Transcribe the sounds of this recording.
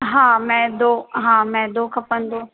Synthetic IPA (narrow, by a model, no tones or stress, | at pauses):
ɦãːmɛ̃ːd̪oːɦãːmɛ̃ːd̪oːkʰɐpə̃nd̪oː